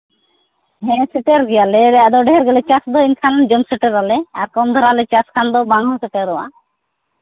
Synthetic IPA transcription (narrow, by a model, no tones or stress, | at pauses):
ɦɛ̃sɛʈeɾɡɛjalɛɛd̪ɔɖɛɦɛɾɡɛlɛt͡ʃasd̪ɔiɲkʰand͡ʒɔmsɛʈɛɾalɛaɾkɔmd̪ʱɔɾalɛt͡ʃaskʰand̪ɔbanɔsɛʈeɾɔwa̰